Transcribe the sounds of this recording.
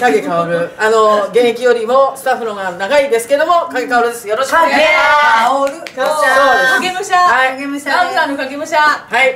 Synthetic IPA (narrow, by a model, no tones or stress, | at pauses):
k̪aɡekaoɾɯ̟ano̞ɡẽ̞ɰ̃ikʲijo̞ɾʲimo̞sɨ̥t̪aɸːɯnoɡanaɡaid̪e̞sɨ̥ke̞d̪o̞mo̞kaɡekaoɾɯ̟d̪e̞sɨjo̞ɾoɕae | ɾɯsoaɡemaɕahaiɡemaɕãsãnokaɡemaɕt̪ahai